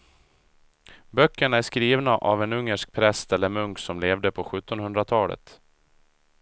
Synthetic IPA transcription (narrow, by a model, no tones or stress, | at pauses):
bœkːəɳaæʂkɾiːvnaʔa̰vɛnɵŋːəʂk̚pʰɾɛst̪ɛlːəɾmɵŋksɔmleːvd̪əpʰɔɧɵt̪ːɔnhɵnd̪ɾat̪ʰɑːlə̰t̪